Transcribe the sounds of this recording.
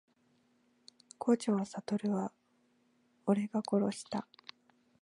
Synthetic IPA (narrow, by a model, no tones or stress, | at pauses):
kʰoːt͡ɕaβasat̪o̞ɾɯ̟βa | oɾe̞ɡako̞ɾo̞ɕi̥t̪a